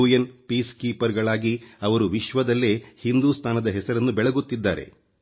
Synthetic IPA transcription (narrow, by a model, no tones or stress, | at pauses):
uːjɐnpiːskiːpɐɾɡɐɭaːɡiɐʋɐɾuʋiʃʋɐd̪ɐlːe̞hind̪uːst̪ʰaːnɐd̪ɐɦɛsɐɾɐnːubɛɭɐɡut̪ːid̪ːa̰ːɾe̞̰